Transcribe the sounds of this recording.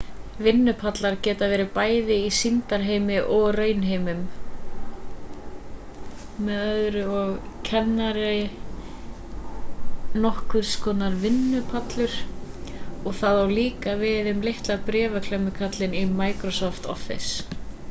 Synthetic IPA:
vɪnːʏpʰat̪laɾcɛːt̪avɛːɾɪpaːjðɪisint̪aɾ̥ɦeːjmɪʔɔɣrœːɥnɦejmʏm | ɛðœðɾʏɔɣcʰɛnːaɾɪ | nɔhkvʏɾ̥skɔːnaɾvɪnːʏpʰat̪lʏɾ̥ | ɔɣθaðawliːkavɪðʏmlɪht̪laðpɾɛːvakʰlœmʏkʰat̪lɪnimaːjkɾɔsɔft̪ɔ̰fːɪ̰s

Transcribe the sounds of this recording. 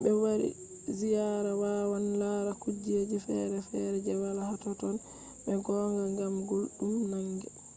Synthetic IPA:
bɛwaɾḭ | zijaɾawawanlaɾakud͡ʒːied͡ʒifɛ̰ɾɛfɛɾɛd͡ʒawalahatɔtɔn | ɓɛɡɔːŋɡaŋɡamɡolɗumnaŋɡɛ

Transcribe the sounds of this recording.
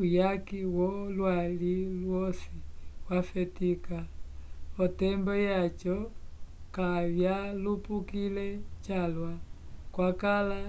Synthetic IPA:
ujakiwɔlwalilwɔsiwafɛtika | ɔtɛmbɔjat͡ʃɔ | kavjalupukilɛt͡ʃalwakwakala

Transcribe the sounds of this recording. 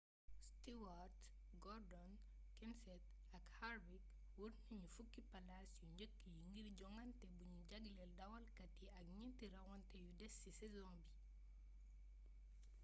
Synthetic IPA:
stiwaɾt | ɡɔɾdɔn | kɛnsɛt | ɐkhaɾbik | wurniɲufukːipɐlasjuɲɟəkːijuŋɡiɾɟɔŋɐntɛbuɲuɟɐɡlɛldɐwɐlkɐtːiɐk̚ɲɛntiɾɐwɔntɛjudɛsːisɛzɔmbi

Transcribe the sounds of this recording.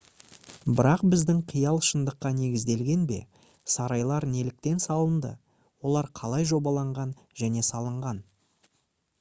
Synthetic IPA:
bɪɾɑq̚bɪzd̪ɪŋqʰijɑlˠʃənd̪əqːɑne̞ɡʲɪzd̪e̞lɡʲe̞nbe̞̰ | sɑɾɑjlˠɑɾne̞lɪk̚t̪e̞nsɑlˠənd̪ə̰ | wo̞lˠɑɾqʰɑlˠɑjʒo̞bɑlˠɑɴʁɑn | ʒæne̞sɑlˠəɴʁɑn

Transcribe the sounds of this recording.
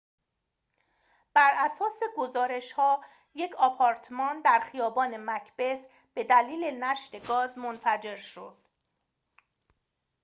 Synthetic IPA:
b̥æɾʔæsɒːse̞ɡozɒːɾe̞ʃhɒː | je̞cʰɒːpʰɒɾt̪ʰmɒːnd̪æɾxijɒːbɒːne̞mæcʰb̥e̞s | b̥e̞d̪æliːlenæʃt̪e̞ɡɒːzmonfæd͡ʒe̞ɾʃo̰d̪̥

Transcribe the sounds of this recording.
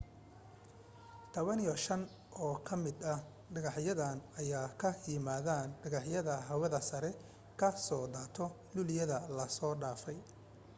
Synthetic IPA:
t̪ʰɔβɐnijɔʃɐn | ʔɔːkʰɐmɪd̪ɐ | ɖɐɣɑħjɐðaːnɐjaːkʰɐjɪmaːðaːnɖɐɣɑħjɐðɐɦɐwɐðɐsɐɾɛ | kʰɐsɔːd̪aːt̪ʰɔ | lʊlɪjɐðɐlɐsɔːɖaːfɛj

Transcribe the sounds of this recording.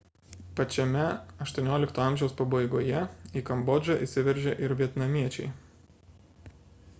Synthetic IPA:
pɐt͡ʃʲɛmʲɛɐʃt̪uɔnʲoːlʲɪkt̪oːɑˑmʲʒʲɛʊspɐbɐɪɡoːjɛiːkɐmbɔd͡ʒɐʔiˑsʲɪʋʲɛɾʲʒʲɛʔɪɾʋʲiɛt̪nɐmʲiɛt͡ʃʲɛɪ

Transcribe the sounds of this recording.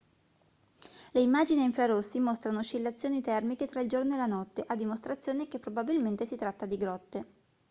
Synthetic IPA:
leimːad͡ʒiniiɱfɾaɾosːimost̪ɾanoʃilːat̪sːjoːnit̪ɛrmiket̪ɾaild͡ʒornoelanɔt̪ːeʔad̪ːimost̪ɾat̪sjoːnek̟epːɾobabilment̪esit̪ɾat̪ːad̪iɡɾɔt̪ːe

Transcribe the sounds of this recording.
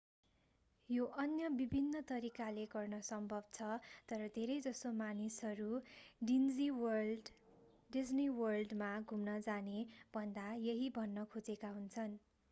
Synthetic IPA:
joʔʌnjʌbibʱinːʌt̪ʌɾikaleɡʌrnʌsʌmbʱʌb̚t͡sʰʌt̪ʌɾʌd̪ʱeɾʌjd͡zʌst̪omanisʌɾuɖind͡ziwʌ | ɖid͡zniwʌrlɖmaɡʱumnʌd͡zanebʱʌnd̪ajʌɦibʱʌnːʌkʰod͡zekaɦunt͡sʰʌn

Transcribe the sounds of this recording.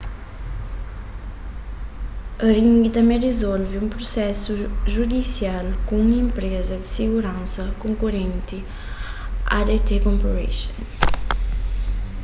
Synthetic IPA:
əɾĩŋɡit̪ɐmẽrezɔlviumpɾosɛsuʒud̪isjalkũuŋĩmpɾezɐd̪isiɡuɾãnsɐkoŋkuɾẽnt̪i | a̰d̪et̪ekompoɾḛʃon

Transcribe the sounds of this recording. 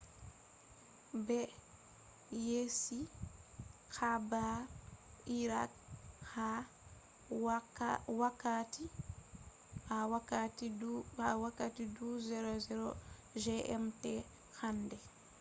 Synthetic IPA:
bɛ | jesi | kaba | iɾak̚ | ha | wakːati | aakathawakːatiduzɛɾɔzɛɾɔ | ʒɛʔɛmtɛ | xandɛ

